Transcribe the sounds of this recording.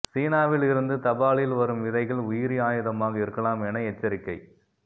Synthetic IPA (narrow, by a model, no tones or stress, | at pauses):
siːnaːʋɪlɪɾɯnd̪ɯt̪ɐbaːɭɪlʋɐɾɯmɪðɐɪɣɐɭʊjɪɾɪaːjɪðɐmaːɣɐɪɾɯkːɐlaːmɛnɐɛt͡ʃːɐɾɪkːɐɪ